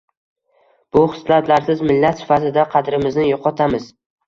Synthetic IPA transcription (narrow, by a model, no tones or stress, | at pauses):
b̥ʊχɨ̥slat̪laɾsɪzmɪlːat̪sɪ̥fat̪ɪd̪aqʰɑd̪ɾɪmɪznɪjoqʰɒt̪ʰamɪz̥